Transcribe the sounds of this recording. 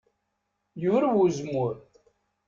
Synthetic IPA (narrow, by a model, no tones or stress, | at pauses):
jʊɾwuzmʊɾ